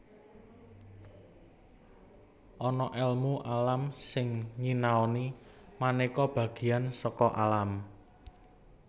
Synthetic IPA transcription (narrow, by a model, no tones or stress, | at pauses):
ʔɔnɔʔɛlmuʔalamsɪŋɲinaoni | manikɔb̥ä̤ɡ̥i̤ansɔkɔʔalam